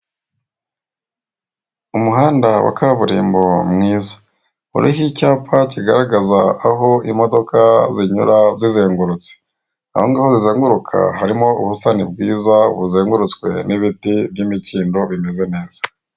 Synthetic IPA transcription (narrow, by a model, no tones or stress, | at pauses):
umuɦaːndawa̰kaβuɾḭːmbomŋiːzḁ | ṵɾʔihicaːpaciɡaɾaɡazaːɦo̞imo̞do̞kaziɲṵɾazizeːŋɡuɾut͡se̥ | na̰hoŋɡaːhozizeːŋɡuɾukʰa̰ɦaɾimo̞uβusanib̚ɡwiːzaṵβuzeːŋɡuɾut͡skwe̞̰niβitiβjimiciːndo̞βime̞ze̞ne̞ːz̥ḁ